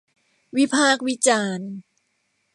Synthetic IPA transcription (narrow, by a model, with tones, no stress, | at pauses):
wi˦˥pʰaː˥˩k̚wi˦˥t͡ɕaː˧n